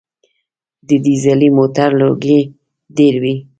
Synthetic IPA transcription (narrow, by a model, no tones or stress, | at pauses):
d̪əd̪izalimot̪aɾloɡe | deɾwi